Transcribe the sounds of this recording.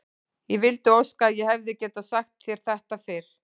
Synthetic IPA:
jɛvɪlt̪ʏowskaːðjɛhɛvðɪcɛːt̪asaxt̪θjɛɾ̥θɛht̪afɪɾ̥

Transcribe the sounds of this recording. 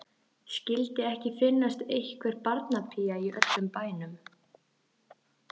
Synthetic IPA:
scɪlt̪ɪɛhcɪfɪnːast̪ejhkvɛɾpaɾt̪napʰiaiʔœ̰t̪lʏmpaːjnʏm

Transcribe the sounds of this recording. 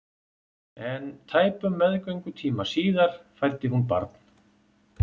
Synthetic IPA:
ɛnt̪ʰaːjpʏmːɛðkœɥŋkʏt̪ʰiːmasiːðaɾ̥fajlt̪ɪɦunpa̰ɾt̪n̥

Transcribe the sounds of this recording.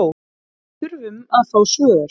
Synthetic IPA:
w | ʏɾvʏmaðθaːwsvœːðʏɾ̥

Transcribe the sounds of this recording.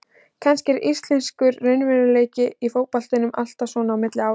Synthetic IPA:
cʰɛnscɪɾist̪lɛnskʏɾːejnvɛɾʏleːjcɪifoːwpal̥t̪ʏnʏmal̥t̪asvɔnaːwmɪt̪lɪaːw

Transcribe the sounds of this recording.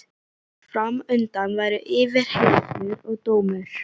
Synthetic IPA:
fɾamʏnt̪anvaːjɾʏʔɪːvɪɾ̥helsʏɾɔɣt̪oːwmʏɾ̥

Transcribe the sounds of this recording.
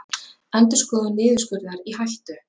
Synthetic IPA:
ɛnt̪ʏskɔːðʏnɪːðʏ̥skʏɾðaɾihajlt̪ʏ

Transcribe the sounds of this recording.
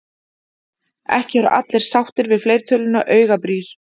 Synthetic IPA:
ɛ̰hcɪɛɾʏ̰ʔa̰t̪lɛɾ̥sawht̪ɪɾvɪðflejɾ̥t̪ʰœːlʏnaʔœːɥɣapɾiːɾ̥

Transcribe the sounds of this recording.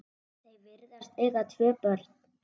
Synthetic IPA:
θejvɪɾðast̪eɣat̪ʰvœːpœɾt̪

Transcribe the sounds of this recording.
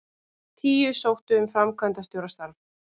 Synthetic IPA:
t̪ʰiːʏsowht̪ʏʏmfɾamkʰvant̪ast̪jowɾast̪aɾv

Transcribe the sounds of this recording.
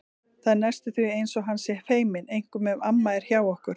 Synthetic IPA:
θaðnɛst̪ɪθviejnsɔɣɦansjɛfeːjmɪnejŋ̥kʏmɛmamːaɛɾ̥çjaːwɔhkʏɾ̥

